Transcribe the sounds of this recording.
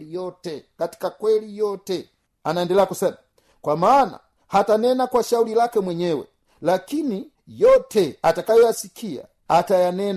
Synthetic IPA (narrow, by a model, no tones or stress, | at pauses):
lijɔtɛkati̥kakwɛlijɔtɛ | anaɛndɛlɛakusɛna | kwamaːna̰ | hatanɛnakwaʃaulilakɛmwɛɲɛwɛ̰ | lakini | jɔtʰɛatakajɔjasikʰia̰ | atajanɛn